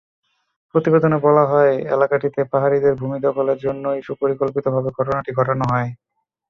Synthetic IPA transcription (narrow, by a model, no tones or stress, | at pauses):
pɾot̪ibed̪onebɔlaɦɔeḛlakaʈit̪epaɦaɾid̪eɾbʱumit̪okoleɾd͡ʑonːoiʃupoɾikolpit̪obʱabeɡʱɔʈonaʈiɡʱɔʈonoɦɔe